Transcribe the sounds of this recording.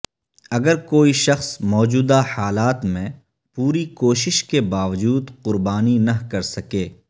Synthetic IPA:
ɐɡəɾkoːiʃɐxsmɔːd͡ʒuːd̪ahaːlaːt̪mẽ | puːɾikoːʃɪʃkebaːʋd͡ʒuːd̪qʊɾbaːninɐɦkɐɾsɐkeː

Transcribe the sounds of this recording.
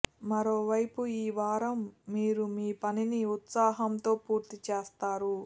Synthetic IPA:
mɐɾoːʋɐjpuiːʋaːɾɐmːiːɾumiːpɐniniut̪saːɦɐmt̪o̞ːpuːɾt̪it͡ʃeːst̪aːɾu

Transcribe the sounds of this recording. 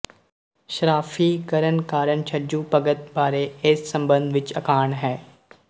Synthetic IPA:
ʃɾaːfiːkəɾənkaːɾəɳt͡ʃʰɐd͡ʒuːpɐɡət̪̚baːɾeɪsːɐ̃mbə̃nd̪ʋɪt͡ʃɐkaːɳɦɛː

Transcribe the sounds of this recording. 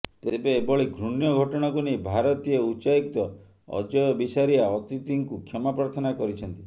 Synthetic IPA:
t̪ebeːbɔɭiɡʱɾuɳjɔɡʱɔʈɔɽ̃akunejbʱaɾɔt̪ieut͡ʃaik̚t̪ɔ | ɔ̰d͡ʒɔjɔbisaɾiaɔt̪it̪iŋkukʰɔmapaɾt̪ʰɔnakɔɾit͡ʃʰɔnt̪i

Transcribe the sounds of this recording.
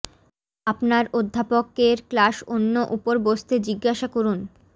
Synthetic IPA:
apnaɾod̪ʱːapokːeɾklaʃonːoʔupoɾbost̪ʰed͡ʑiɡːaʃakoɾun

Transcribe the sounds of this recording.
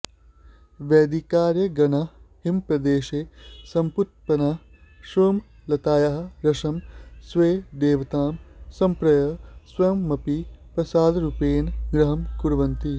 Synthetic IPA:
ʋeːd̪ikaːɾjɐɡɐnɐhimpɾɐd̪eːʃeːsɐmput̪̚pɐnɐ | ʃɾoːm | lɐt̪aːjɐɦɐ̆ɾɐʃɐmsʋeːd̪eːʋɐt̪aːmsɐ̃mpɾɐjɐsʋɐjɐmːɐpipɾɐsaːd̪ɾupeːnɡɾɐɦɐmkuɾʋɐnt̪i

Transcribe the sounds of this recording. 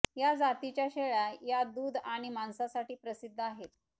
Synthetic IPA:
jad͡zat̪it͡ɕjaɕeɭajad̪uːd̪ʱaɽ̃imansasaʈiːpɾəsid̪ʱːəaɦet̪̚

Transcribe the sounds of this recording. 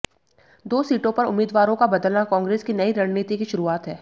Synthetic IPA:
d̪oːsiːʈõpɐɾʊ̰mːiːd̪ʋaːɾõkabɐd̪əlnakɔ̃ːŋɡɾeːskinɐiɾɐnniːt̪ikiʃʊɾuaːt̪ɦɛː

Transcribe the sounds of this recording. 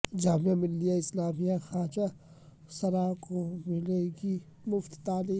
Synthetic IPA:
d͡ʒaːmijãmɪlːijaɪslaːmijaxaːt͡ʃa | sɐɾaːkomɪleːɡi | mʊft̪t̪aːliː

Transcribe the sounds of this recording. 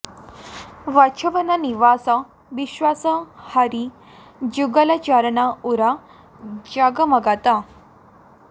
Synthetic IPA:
ʋat͡ʃʰəʋənaniʋasa | ʋiɕʋasəhaɾi | d͡ʑuɡəlat͡ɕaɾnauɾa | d͡ʑaɡəmɐɡat̪a

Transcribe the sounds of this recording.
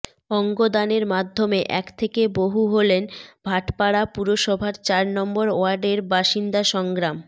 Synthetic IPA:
ɔŋɡod̪aneɾmad̪ʱːomeʔɛkt̪ʰekeboɦuɦolenbʱaʈpaɽapuɾoʃɔbʱaɾt͡ɕaɾnɔmboɾoaɾɖeɾbaʃind̪aʃɔŋɡɾam

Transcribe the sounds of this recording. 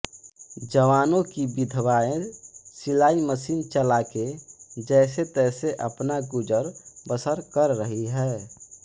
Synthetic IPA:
d͡ʒəʋaːnõkibɪd̪ʱʋaːẽsɪlaːiməsiːnt͡ʃəlaked͡ʒɛːset̪ɛːseʔəpnaɡʊd͡ʒəɾbəsəɾkəɾːəɦiɦɛː

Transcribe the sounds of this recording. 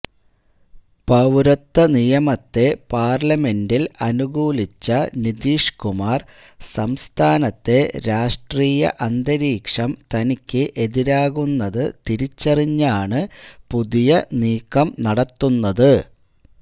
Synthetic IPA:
pɐʋɾɐt̪ːɐnijɐmɐt̪ːe̞paːrlɐme̞ndilɐnuɣuːlit͡ɕːɐnid̪iːʂkumaːr | sɐmst̪ʰaːnɐt̪ːe̞ɾaːʂʈriːjɐ̰ʔɐnd̪ɐɾiːkʂɐmt̪ɐnikʲːɨʔe̞ðiɾaːɣunːɐðɨt̪iɾit͡ɕːɐriɲːaːɳɨpuðijɐniːkːɐmnɐɽɐt̪ːunːɐðɨ

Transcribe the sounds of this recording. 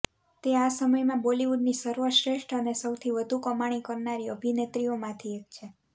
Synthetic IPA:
t̪easəməjmãboliʋuɖnisəɾʋəʃɾeʃʈənesəwt̪ʰiʋəd̪ʱukəmaɽ̃ikəɾnaɾiəbʱinet̪ɾiomãt̪ʰiek̚t͡ʃʰe

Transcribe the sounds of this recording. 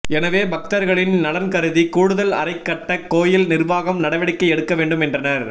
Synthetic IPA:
ɛnɐʋeːbɐk̚t̪ɐɾɣɐɭɪnnɐɽɐnkɐɾɯðikuːɽɯðɐlɐ̰ɾɐɪkːɐʈːɐkoːjɪlnɪrʋaːɣɐmnɐɽɐʋɐɽɪkːɐɪɛɽɯkːɐʋeːɳɖɯmɛndrɐnɐɾ

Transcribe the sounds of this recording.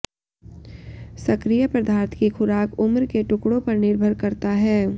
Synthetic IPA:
sɐkɾijəpɾəd̪ʱaːɾt̪ʰkixʰʊɾaːkʊmɾkeʈʊkɽõpɐɾnɪɾbʱəɾkɐɾt̪aɦɛː

